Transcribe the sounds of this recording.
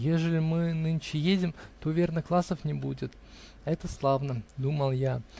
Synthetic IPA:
jeʐəlʲɪmɨnɨnt͡ɕɪjedʲɪmt̪ovʲernəklˠasəfnʲɪbudʲɪt̪ | ɛt̪əslˠavnəd̪uməlˠja

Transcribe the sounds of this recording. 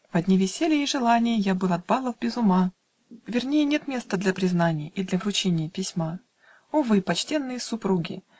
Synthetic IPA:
vɐdʲnʲivʲɪsʲelʲɪjːʐɨlˠanʲɪjəjabɨlˠɐd̪̚balˠəvbʲɪzʊma | vʲɪrnʲejənʲe̞t̪mʲe̞st̪əd̪lʲɐpɾʲɪznanʲɪjəʔid̪lʲɐvɾʊt͡ɕenʲɪjəpʲɪsʲma | ovɨpɐt͡ɕtʲe̞nːɨjəsʊpɾuɡʲɪ̰

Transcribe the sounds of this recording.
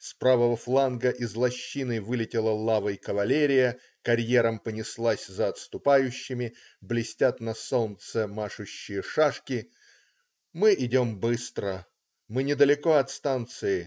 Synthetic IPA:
spɾavəvəflˠanɡəʔɪzlˠɐɕːinɨjvɨlʲɪtʲɪlˠəlˠavəjkəvɐlʲeɾʲɪjə | kɐɾʲjeɾəmpənʲɪslˠasʲzəɐt̪st̪ʊpajʉɕːɪmʲɪ | blʲɪsʲtʲat̪nɐsolnt̪səmaʂʊɕːɪjəʂaʂkʲɪ | mɨʔɪdʲombɨst̪ɾə | mɨnʲɪd̪əlʲɪko̞ɐt̪st̪ant̪sɨɪ

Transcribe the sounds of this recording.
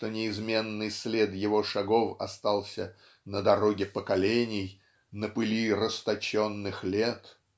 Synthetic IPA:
t̪onʲɪɪzmʲe̞nːɨjsʲlʲed̪jɪvo̞ʂɐɡo̞fɐ̰st̪ɑlˠsʲə | nəd̪ɐɾoɡʲɪpəkɐlʲenʲɪj | nəpɨlʲirəst̪ɐt͡ɕonːɨxlʲet̪

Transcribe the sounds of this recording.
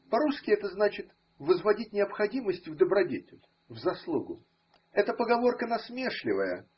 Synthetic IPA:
pɐɾuskʲɪɛt̪əznat͡ɕɪt̪ | vəzvɐdʲit̚ʲnʲɪɐpxɐdʲiməsʲtʲvd̪əbɾɐdʲetʲɪlʲ | vzɐslˠuɡʊ | ɛt̪əpəɡɐvo̞rkənɐsmʲe̞ʂlʲɪ̰vəjə̰

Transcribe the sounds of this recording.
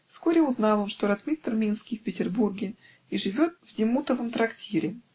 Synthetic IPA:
fskoɾʲɪʊznɑlˠonʂt̪o̞ɾɐt̪mʲist̪rmʲinskʲijfʲpʲɪtʲɪrburɡʲɪ | iʐɨvʲo̞t̪̚vdʲɪmut̪əvəmt̪ɾɐktʲʰiɾʲɪ

